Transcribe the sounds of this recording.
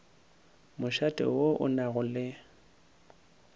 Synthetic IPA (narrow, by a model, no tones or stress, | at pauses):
mʊʃatʼɪ̰woʔʊ̰naɣʊlɪ